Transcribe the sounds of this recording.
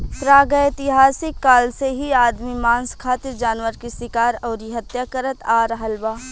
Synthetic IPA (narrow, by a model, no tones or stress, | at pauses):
pɾaːɡəɪt̪ɪɦaːsɪkːaːlseɦiaːd̪mimãːnskʰaːt̪ɪɾd͡ʒaːnwəɾkisɪkaːɾɔːɾiɦɐt̪jaːkəɾət̪aːɾɦɐlbaː